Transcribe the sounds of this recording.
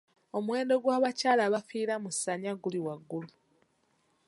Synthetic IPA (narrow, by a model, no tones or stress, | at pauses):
o̞mwe̞ːndo̞ɡwaːβacaːlaβafiːɾamusaɲaɡuliwaɡːulu